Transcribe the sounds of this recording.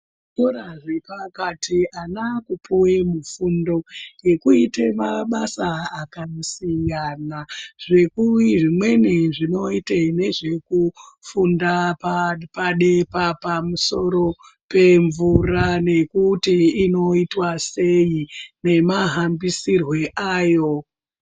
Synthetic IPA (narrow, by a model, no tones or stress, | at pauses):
koɾaʐe̞pakatʰianakupuwe̞mufundo̞je̞kuitemaɓasaakasiŋɡanaʐe̞kuwiʐimwe̞neʐino̞itene̞ʐe̞kufundapapaɗe̞papamuso̞ɾo̞ | pe̞ɱvurane̞kutiːno̞itwase̞ine̞maɦambisirwe̞ʔaːjo̞